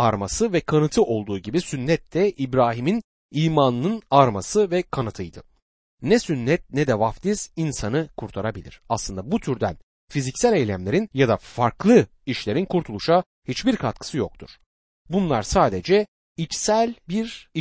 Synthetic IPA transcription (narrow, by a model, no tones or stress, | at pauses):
aɾmasɯvɛkʰanɯt̪ʰɯʔo̞lˠd̪uːɟibisynːɛt̪lːɛʔibɾaːɦimin | iːmanɯnɯnaɾmasɯvɛkʰanɯt̪ʰɯjd̪ɯ | nɛsynːɛt̪̚nɛd̪ɛvaft̪ʰiz̥insanɯkʰuɾt̪ʰaɾabilʲḭɾ̥aslˠɯnd̪abut̪ʰyɾd̪æn | fizicsælʲejlʲæmlʲe̞ɾinjad̪afaɾklˠɯ | iʃlʲe̞ɾinkʰuɾt̪ʰulˠuʃa | hit͡ʃbiɾkʰat̪̚kʰɯ̥sɯjo̞k̚t̪ʰuɾ̥ | bunlˠaɾsaːd̪ed͡ʒɛ | it͡ʃsælʲbiɾ